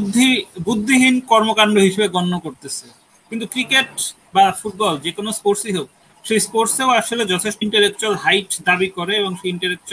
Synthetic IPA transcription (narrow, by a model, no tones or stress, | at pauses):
d̪ʱːibud̪ʱːiɦinkɔɾmokaɳɖoɦiʃebeɡɔnːokoɾt̪et͡ɕʰe | kint̪ukɾikeʈ | bafuʈ̚bɔld͡ʑekonospoɾsiɦew | ʃejspoɾseoaʃoled͡ʑɔt̪ʰeʃʈoiɳʈaɾek̚t͡ɕolɦajʈd̪abikoɾeeboŋʃejiɳʈaɾek̚t͡ɕo